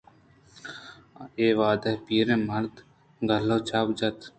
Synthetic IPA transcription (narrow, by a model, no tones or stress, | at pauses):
eːʋaːd̪ɐɦpiːɾẽːmɐɾd̪ | ɡɐloːt͡ʃaːbd͡ʒɐt̪